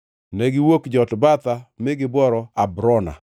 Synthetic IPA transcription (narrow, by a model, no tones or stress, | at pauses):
nɛɡɪwokd͡ʒɔtbat̪amɪɡɪbɔɾɔabɾɔna̰